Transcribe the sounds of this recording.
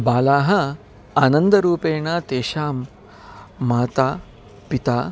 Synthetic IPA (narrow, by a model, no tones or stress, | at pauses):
baːlaːɦɐ | aːnɐnd̪ɐɾuːpeːɳat̪eːʃaːmː | aːt̪aː | pit̪aː